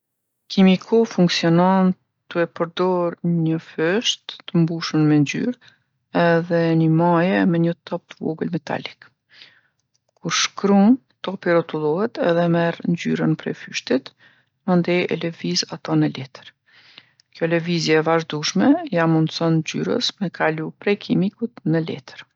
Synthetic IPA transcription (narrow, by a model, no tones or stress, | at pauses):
kʰimikʰɔfuŋksiɔnɔn | t̪uɛpəɾd̪ɔɾɲəfœʃt̪ːəmbuʃənmɛnd͡ʒy̰ɾ | ɛðɛnimajɛmɛɲət̪ʰɔp̚t̪əvɔ̰ɡəlmɛt̪ʰa̰lik | kuɾʃkɾun | t̪ɔpirɔt̪ulˠɔhɛt̪ɛ̰ðɛmɛɾnd͡ʑy̰ɾənpɾɛ̰fyʃt̪it̪ | mand̪ɛjɛ̰lɛvizat̪ɔnəlɛt̪əɾ | kjɔlɛvizjɛːvaʒd̪uʃmɛjanmund̪sɔnd͡ʑy̰ɾə̰smɛkʰalupɾɛkʰimikut̪nəlɛ̰t̪ə̥ɾ